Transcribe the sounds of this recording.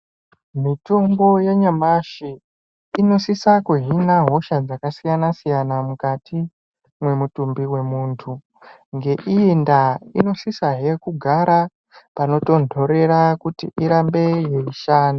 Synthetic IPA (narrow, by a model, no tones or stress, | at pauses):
mito̞mbo̞jaɲamaʃiː | no̞sisakuɦinaɦo̞ʃad͡zakasijanasijanamukati | mwe̞mutumbiwe̞muːntʰu | ŋɡe̞ʔiindaḭno̞sisaɦe̞kuɡʱaɾʔa | pano̞to̞ndʰo̞ɾe̞ɾakutiʔiɾambe̞je̞iʃaːna